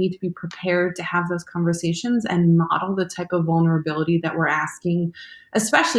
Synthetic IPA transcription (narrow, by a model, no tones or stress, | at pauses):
id̚tʰəbipʰɹ̥ipʰɛɹd̚tʰɨəvðoʊz̥kʰɑ̃ɱvə˞seɪʃɨ̃nzɨ̰̃nːəɾɔlˠðɨtʰaɪpʌvʌlˠnə˞ɨbɪlˠəɾiðɨʔ̚wɪɹæskɪ̃ŋʔɨspɛʃl̩ˠ